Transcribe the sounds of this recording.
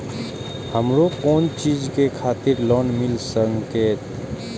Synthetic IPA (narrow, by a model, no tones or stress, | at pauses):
həmɾokoːnt͡ʃiːd͡ʒkekʰaːt̪iɾlɔːnmɪlsəŋkeːt̪